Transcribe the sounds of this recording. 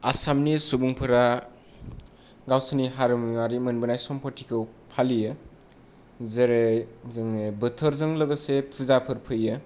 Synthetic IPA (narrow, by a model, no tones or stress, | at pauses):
asamnisubuŋpʰɯɾa | ɡawsɯniɦaɾɯmiwaɾimɯnbɯnajsɔmpʰɔtʰikʰɯw | pʰalijɯ | zeɾezɯŋɯbɯtʰɯɾzɯŋlɯɡɯsepʰɯzapʰɯɾpʰɯjɯ